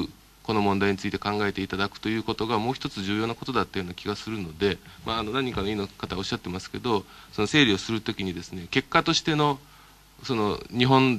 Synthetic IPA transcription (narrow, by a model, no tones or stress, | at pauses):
ɯ | ko̞no̞mõ̞nd̪aiɲ̟it͡sɨit̪e̞kãŋɡae̞t̪e̞it̪ad̪akɯ̟̥t̪o̞jɯ̟ːko̞t̪o̞ɡamo̞ːçi̥t̪o̞t͡sɨʑɨːjoːnako̞t̪o̞d̪at̪ːajo̞ːnakʲiɡasɨɾɯ̟no̞d̪e̞maːno̞nãɲ̟ːĩŋkano̞iːnokat̪aɡo̞ɕːat̪ːe̞masɨ̥ke̞d̪o̞so̞no̞se̞ːɾʲio̞sɨɾɯ̟t̪o̞kʲiɲ̟id̪e̞sɨne̞ke̞kːat̪o̞ɕi̥t̪e̞no̞ | so̞no̞ɲ̟iɦõ̞n